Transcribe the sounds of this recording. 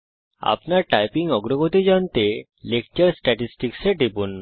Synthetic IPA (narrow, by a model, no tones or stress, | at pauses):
a̰pnaʈajpiŋɡɔɡɾɔɡot̪id͡ʑant̪e | lekt͡ɕəɾsʈɛʈisʈikseʈipunː